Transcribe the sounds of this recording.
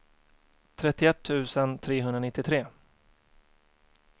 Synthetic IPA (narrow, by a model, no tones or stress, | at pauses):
t̪ʰɾɛt̪ːɪɛt̪ʰːʉ̟ːsənt̪ʰɾeːɦɵnd̪ɾanɪt̪ːɪt̪ʰɾeː